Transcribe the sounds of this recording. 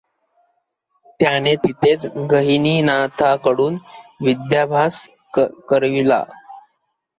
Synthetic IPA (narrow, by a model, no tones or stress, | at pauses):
t̪janet̪it̪ʰet͡sɡəɦiniːnat̪ʰakəɽuːnʋid̪jabʱas | kəɾʋila̰